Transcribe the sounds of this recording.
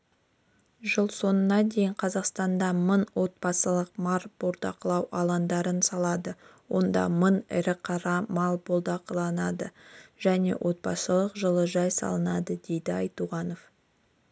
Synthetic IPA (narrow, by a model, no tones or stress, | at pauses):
ʒəlˠso̞nənɑd̪e̞jɪɴqʰɑzɑqst̪ɑnd̪ɑmənwʔo̞t̪̚bɑsəlˠəq̚mɑɾb̥olɾd̪ɑqəlˠɑwʔɑlˠɑnd̪ɑɾənsɑlˠɑd̪əwo̞nd̪ɑ̰mənɪ̰ɾɪqʰɑɾɑmɑlˠbolˠd̪ɑqəlˠɑnɑd̪əʒ̥æne̞̰wʔo̞t̪̚bɑsəlˠəqʒəlˠəʒɑjsɑ̰lˠənɑd̪əd̪e̞jd̪ɪɑjt̪uʁɑno̞f